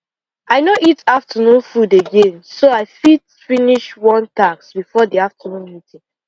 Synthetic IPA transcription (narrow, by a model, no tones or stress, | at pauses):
aɪnoʔitaftʰənũnfudeɡẽnsoaɪfit | finiʃwɔ̃ntaksbifɔdiaftənũnmitĩŋ